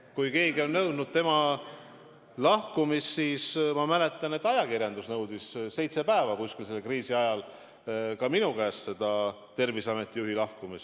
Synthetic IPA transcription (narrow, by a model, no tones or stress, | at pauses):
kujke̞ːɡio̞nːɤwd̪̥nud̪̥̚t̪e̞mɑ | lɑhkumisːiːsmɑmæne̞t̪ːˑɑne̞t̪ːˑɑjɑkirjɑnd̪usnɤwd̪̥isse̞jt̪se̞pæe̞vɑkuskilse̞lkriːsiɑjɑl | kɑminukæːsse̞d̪̥ɑ | t̪e̞rvisɑme̞t̪ːˑijuɦilɑhkumis